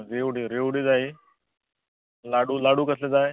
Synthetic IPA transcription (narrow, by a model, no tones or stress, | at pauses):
ɾeʋɽiɾeʋɽiːd͡zaɦe | laɽulaɽuːkəsled͡zae